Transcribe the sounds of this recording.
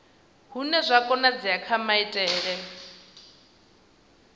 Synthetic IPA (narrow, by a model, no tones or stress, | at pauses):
ɦunɛzʷakʼɔnad͡ziakʰamaitʼɛːɺɛ